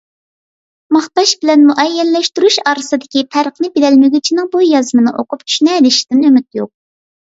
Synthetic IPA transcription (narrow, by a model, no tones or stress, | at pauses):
mɑχt̪ɑʃbɪlɛnmuʔɛjːɛnlɛʃt̪yɾuʃɑːɾɨsɨd̪ɪkʲit̪ʰæɾəχnɨbed̪ɛlmyɡʲyt͡ʃʰinɪŋbujɑzmɨnɨʔo̰qʊpt͡ʃʰy̥ʃnɛd̪ɪʃi̥d̪ɪnømyt̪̚joq̚